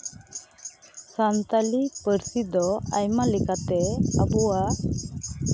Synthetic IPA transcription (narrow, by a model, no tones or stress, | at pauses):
sant̪alipəɾsid̪ɔa̰jmalikat̪ɛabɔwa